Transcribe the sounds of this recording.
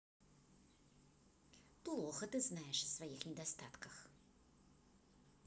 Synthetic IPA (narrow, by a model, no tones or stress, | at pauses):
plˠɔxɐt̪ɨznajɛʂsvajixnʲɛd̪ast̪at̪kɐx